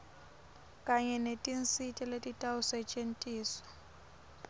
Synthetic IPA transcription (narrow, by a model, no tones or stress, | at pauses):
kʼaɲɛnetʼin̩sitʼɛletʼitʼaʊsɛt͡ʃʼen̩tʼiːsɔ̥